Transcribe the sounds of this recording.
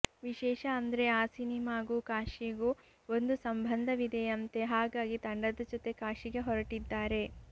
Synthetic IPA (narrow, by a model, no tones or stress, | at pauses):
ʋiʃɛːʃɐɐnd̪ɐɾe̞aːsinimaːɡuːkaːʃiɡuː | ond̪usɐmbʱɐnd̪ʱɐʋid̪e̞ɐnt̪e̞ɦaːɡaːɡit̪ɐɳɖɐd̪ɐd͡ʒot̪e̞kaːʃiɡe̞ɦɔɾɐʈid̪ːaːɾe̞